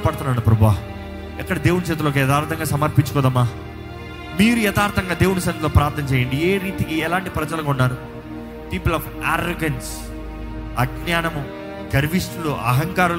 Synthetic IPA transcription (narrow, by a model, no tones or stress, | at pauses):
pɐɽt̪unːaːɽupɾɐbʱuʋaːɦɐ | ɛkːɐɽɐd̪eːwunut͡ʃɛːt̪ulok̬ijɛd̪aːɾt̪ʰɐŋɡaːsɐmɐɾpiɲt͡ʃukɔːd̪ɐmːaː | miːɾujɛd̪aːɾt̪ʰɐŋɡaːd̪eːwunusɐnloːpɾaːɾt̪nɐmt͡ʃɛːjɐɳɖieːɾiːt̪ikiɛlaːɳʈipɾɐd͡ʒɐlɐkaunːaːɾu | piːpulaːf | a̰ːɾoɡɐns | ɐɡnaːnɐmu | ɡɐɾʋiʂʈuluɐ̰ɦɐŋkaːɾul